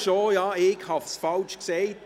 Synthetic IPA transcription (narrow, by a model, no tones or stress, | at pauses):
ʃoːjɑekhɑfsfɑlt͡ʃkseːt